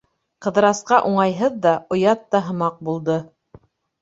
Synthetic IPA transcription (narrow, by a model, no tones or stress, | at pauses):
qɤ̆ðɤ̆ɾɑsqɑʔuɴɑjɦɤðːɑŏjɑt̪ːɑɦɤ̆mɑq̚bulˠd̪ɤ